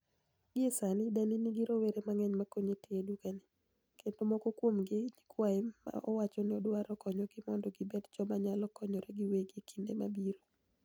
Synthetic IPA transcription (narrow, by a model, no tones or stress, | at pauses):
ɡɪesanɪdaniniɡiɾoweɾemaŋɛɲmakoɲetiedukanɪ | kendomɔkɔkwomɡɪd͡ʒikwaɛma̰ʔɔwat͡ʃɔnɪɔdwaɾɔkɔɲɔɡɪmɔndɔɡɪbedd͡ʒɔmaɲalɔkɔɲɔɾeɡɪweɡikʰindemabiɾo